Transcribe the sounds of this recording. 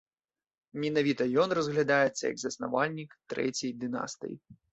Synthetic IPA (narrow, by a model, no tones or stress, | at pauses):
mʲinavʲit̪ɐjɔnrɐzɣlʲad̪ajɛt̪sːɐ̰jɐ̰ɡzɐsna̰valʲnʲikt̪ɾɛ̰t͡sʲɛjd̪ɨna̰st̪ɨ̰jḭ